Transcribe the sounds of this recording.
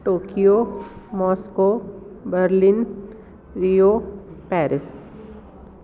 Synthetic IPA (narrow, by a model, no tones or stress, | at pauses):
ʈoːkijomɔːskobəɾlɪn | ɾijoːpɛːɾɪs